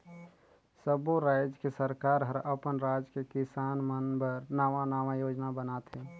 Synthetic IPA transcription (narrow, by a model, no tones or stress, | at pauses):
səboɾaːjd͡ʒkesəɾkaːɾɦəɾəpənɾad͡ʒkekɪsaːnmənbəɾnaʋanaːʋãjoːd͡ʒnabənaːt̪ɦɛ̃